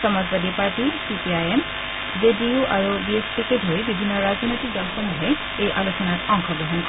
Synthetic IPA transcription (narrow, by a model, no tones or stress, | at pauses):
ɔmazbad̪ipaɹtisipiajem | zediuʔaɹubiespikedʱoɹibibʱinːɔɹazɔnojtik̚dɔlxɔmuɦɛ | ejʔalusɔnatɔŋxɔɡɔɦɔnkɔ